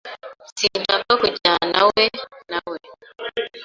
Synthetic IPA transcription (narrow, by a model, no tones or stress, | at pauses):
sidakakut͡ʃanawɛnawɛ